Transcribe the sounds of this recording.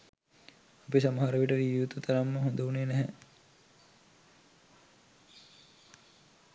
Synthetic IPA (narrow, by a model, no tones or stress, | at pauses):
apisamaɦaɾɐʋiʈəɾiʋut̪ut̪ʰaɾamːəɦond̪ɐuneːnɛɦɛ